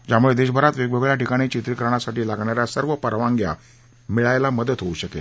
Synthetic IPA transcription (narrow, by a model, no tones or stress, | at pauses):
d͡ʑjamuɭed̪eɕbʱəɾat̪ʋeɡʋəɡɭjaʈikaɽ̃it͡ɕit̪ɾikəɾɳ̃asaʈiːlaɡɳaɾjasəɾʋəpəɾʋãŋɡja̰ | miɭajlaməd̪ət̪ɦouɕəke